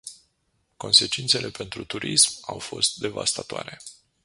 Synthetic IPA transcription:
ko̞nse̞t͡ʃint̪se̞lʔe̞pe̞nt̪ɾut̪uɾismawfo̞̰st̪̚d̪e̞vast̪at̪oa̰ɾe̞

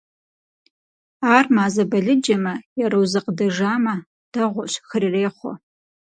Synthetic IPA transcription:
aːrmaːzɐbɐɮɨd͡ʒɐmɐjɛɾɐwzɐqədɐʒaːmɐ | d̥ɐʁʷɔɕxɨrireːχʷɔ̰

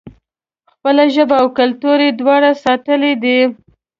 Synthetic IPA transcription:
xpəlaʒəbaːwkalt̪uɾed̪wɑɽasɑt̪əled̪i

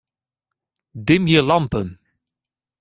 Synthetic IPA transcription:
dɪmjəlɑmpən

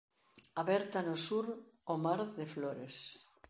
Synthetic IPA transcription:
aβɛɾt̪anosuɾomaɾðefloɾes

